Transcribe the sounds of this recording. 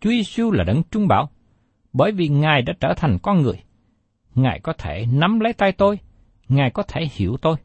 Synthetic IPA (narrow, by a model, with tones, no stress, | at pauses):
t͡ɕu˨˦ze˧su˧laː˨˩ɗə˨˦nt͡ɕʊ˧ŋ͡mɓa̰ː˧˩w | ɓəː˧˩jvi˨˩ŋaː˨˩jɗa̰ː˧˥t͡ɕəː˧˩t̪ʰa˨˩jŋ̟kɔ˧nŋɨ˨˩əj | ŋaː˨˩jkɔ˨˦t̪ʰe˧˩na˨˦mlə˨˦jt̪a˧jt̪o˧j | ŋaː˨˩jkɔ˨˦t̪ʰe˧˩hḭ˧˩əwt̪o˧j